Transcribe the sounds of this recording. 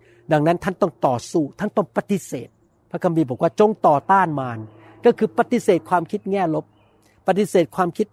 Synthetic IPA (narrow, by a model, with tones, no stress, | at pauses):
da˧ŋna˦˥nt̪ʰa˥˩nt̪ɔ˥˩ŋt̪ɔː˨˩suː˥˩t̪ʰa˥˩˨nt̪ɔ˥˩ŋpa˧t̪i˦˥sḛː˨˩t̪̚ | pʰa˦˧˥kʰa˧mbiː˧bɔː˨˩˦k̚waː˥˩t͡ɕo˧ŋt̪ɔː˨˩t̪aː˥˩nmaː˧n | kɔ˥˩kʰɯː˧pa˧t̪i˧˥seː˨˩t̪̚kʰwaː˧mkʰi˦˥t̪̚ŋɛː˥˩lo˦˥p̚ː | a˧t̪i˧˥seː˨˩t̪̚kʰwaː˧mkʰi˦˥t̪̚